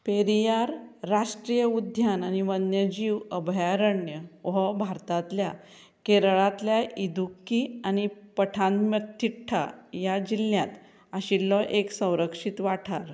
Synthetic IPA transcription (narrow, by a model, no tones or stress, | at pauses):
peɾijaɾːaʂʈɾijəud̪ʱjananiʋənjəd͡ʑiwəbʱjaɾəɳjəʋɦɔbʱaɾt̪at̪lja | keɾɭat̪ljaʔid̪ʱukːiañipəʈʰãnd̪mjət̪ʰːiʈʰːa̰jad͡ʑilːjat̪ | aɕilːɔʔeksə̃w̃ɾəkʂit̪ʋaʈʰaɾ